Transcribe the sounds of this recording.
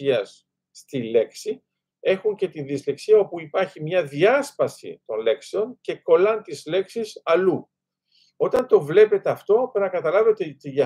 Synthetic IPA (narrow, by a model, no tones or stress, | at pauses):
iɐsː | t̪ile̞ksi | e̞xuɲce̞t̪inðizle̞ksiɐo̞puipɐɾçimɲɐðiɐspɐsḭt̪o̞nle̞kse̞o̞nce̞ko̞lɐnt̪izle̞ksisɐlu | o̞t̪ɐnt̪o̞vle̞pe̞t̪e̞ɐft̪o̞penɐkɐt̪ɐlɐve̞t̪etiɐ